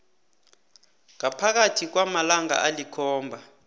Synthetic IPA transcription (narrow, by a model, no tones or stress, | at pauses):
ŋapʰak̬atʰik̬wamalaŋa̰ʔalikʰɔːmbʱa